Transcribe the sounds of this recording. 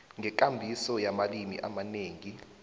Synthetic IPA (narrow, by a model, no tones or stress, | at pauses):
ŋɡɛk̬ʼambʱisɔjamalimḭʔa̰maneːŋi